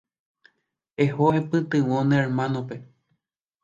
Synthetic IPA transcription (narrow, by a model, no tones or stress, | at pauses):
eɦoepɨt̪ɨwõnẽeɾmãnõpe